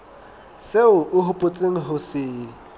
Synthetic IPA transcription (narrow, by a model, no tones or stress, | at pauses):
seʊʔʊɦʊpʼʊt͡sʼeŋ̩ɦʊsɪː